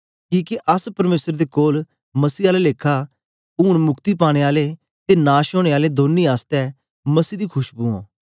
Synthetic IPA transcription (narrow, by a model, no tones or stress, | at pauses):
kiːkeʔəspəɾmeːsəɾd̪eːkoːl | məsiːaːlɛleːkʰːaː | ʊːɽmʊkt̪iːpaːɽ̃eːaːleː | t̪eːnaːʃoːɽ̃eːaːleːd̪oːniːaːst̪ɛː | məsiːd̪iːkʰʊʃbuːõ̰ː